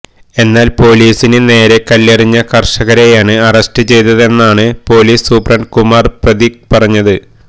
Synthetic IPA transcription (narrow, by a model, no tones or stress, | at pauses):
e̞nːaːlpo̞ːliːsinɨne̞ːɾe̞kɐlːɐriɲːɐkɐrʂɐɣɐɾejaːɳɨɐrɐstɨt͡ɕe̞jt̪ɐðe̞nːaːɳɨpo̞ːliːsːuprɐɳɖkumaːrprɐðik̚pɐrɐɲːɐðɨ